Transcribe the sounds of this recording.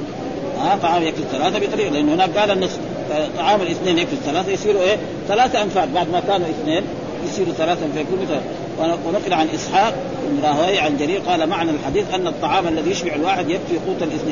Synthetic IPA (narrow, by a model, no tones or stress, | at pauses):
ʔat̪ˤːɑʕɑːmjakfiθalaːθabit̪ˤɑɾiːqlɪʔɪnːhinaːk̚ɡaːlanːɨsˤ | fat̪ˤːɑʕɑːmalʔɪθneːnjakfiθalaːθajsˤiːɾuʔeː | θalaːθaʔamfaːt̪̚baʕd̪makaːnuʔɪθneːn | jɪsˤiːɾuθalaːθaʔanfaːjkuːnbit̪ˤɑɾiq | wawɪnʊqlɪʕanʔɨsˤħɑːq̚ | ɪbnɾˤɑːhwaːjʕald͡ʒaɾiːbqɑːlamaʕnalħad̪iːθʔanːɑt̪ˤːɑʕɑːmʔalːaðijɪʃbɑʕalwaːħɪd̪jakfiquːt̪ˤɑlʔɪθneːn